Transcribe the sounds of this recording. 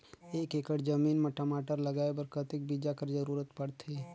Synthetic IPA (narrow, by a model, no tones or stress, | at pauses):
eːkekəʈd͡ʒəmiːnməʈamaːʈəɾləɡaːebəɾkət̪ɪk̚bid͡ʒakəɾd͡ʒəɾuːɾət̪pəɽt̪ʰe